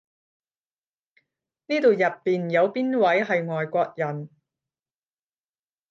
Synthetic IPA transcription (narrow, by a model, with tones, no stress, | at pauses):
niː˥t̪o˨˧wjɐ˨pːiː˨njɐ˨˧wpiː˥nwɐ˨˥jɦɐ˨jŋɔː˨jkʷɔː˧k̚jɐ˨˩n